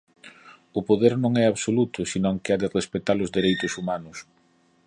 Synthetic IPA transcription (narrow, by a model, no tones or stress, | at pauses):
ʊpoðeɾnõŋɛaβsolut̪ʊsinõŋkɪaðɪrespet̪alʊzðeɾejt̪ʊsumanʊs